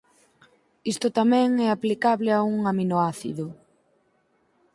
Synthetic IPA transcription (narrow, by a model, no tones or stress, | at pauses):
ist̪ʊt̪amɛ̃ŋɛaplikaβlɪauŋaminoaθḭðʊ